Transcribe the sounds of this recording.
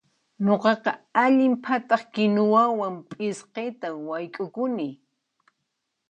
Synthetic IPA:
ɲoqɑqɑaʎɪmpʰat̪ɑχkɪnʊwawampʼɪsqet̪awajkʼʊkʊnɪ

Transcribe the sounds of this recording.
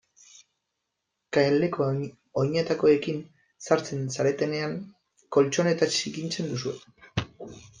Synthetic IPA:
kaeld̪e̞ko̞ | oɲet̪ako̞e̞kin | saɾt͡se̞nsaɾe̞t̪e̞ne̞aŋ | ko̞lt͡ʃo̞ne̞t̪at͡sikint͡se̞nd̪usue̞

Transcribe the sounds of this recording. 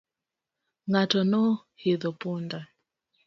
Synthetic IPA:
ŋatɔnɔ | hiðɔpunda

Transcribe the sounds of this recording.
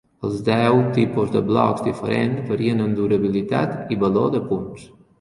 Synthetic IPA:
əlˠzd̪ɛwt̪ipuzd̪əblɔ̰kzd̪ifəɾenfəɾiənənd̪uɾəβilit̪a̰t̪iβəloðəpuns

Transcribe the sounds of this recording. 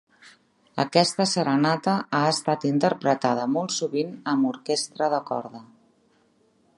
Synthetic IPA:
ə̰kɛst̪əsəɾənat̪əʔaəst̪at̪int̪əɾpɾət̪aðəmɔlˠt̪suβinəmuɾkest̪ɾəðəkɔ̰ɾðə

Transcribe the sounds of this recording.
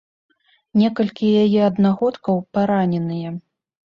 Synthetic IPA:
nʲɛkɐlʲkʲijajɛɐd̪naɣɔt̪kɐwpaɾanʲɛnɨjɛ

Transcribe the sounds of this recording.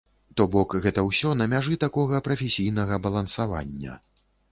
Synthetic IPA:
t̪ɔbɔkɣɛt̪ɐwsʲɔnɐmʲaʐɨt̪akɔɣɐpɾɐfʲesʲijnɐɣɐbɐlˠɐnsava̰nʲːɐ̰

